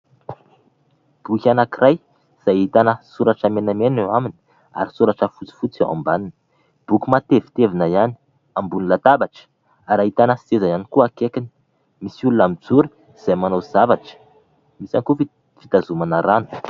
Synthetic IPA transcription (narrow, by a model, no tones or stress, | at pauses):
b̥ukʲanakirʔaj | z̥ajit̪anəsuɾaʈ͡ʂamenamenewamini̥ | a̰ɾisuɾaʈ͡ʂəfut͡si̥fut͡sea̰mbaninə̥ | b̥ukumat̪evi̥t̪evinəjani̥ | ambunilat̪abaʈ͡ʂə̥ | aɾait̪anəsezajanikuakekini̥ | misulunamid͡zuɾi̥ | z̥ajmanozavaʈ͡ʂə̥ | misaŋkufi | fit̪azumanaɾanu̥